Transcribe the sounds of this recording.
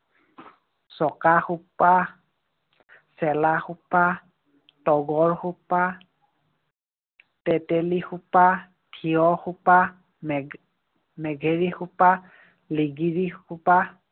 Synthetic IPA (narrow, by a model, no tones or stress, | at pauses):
sɔkaxupa | sɛlaxupa | tɔɡɔɹxupa | tɛtɛlixupa | tʰiɔxupa | mɛɡʱeɹixupa | liɡiɹixupa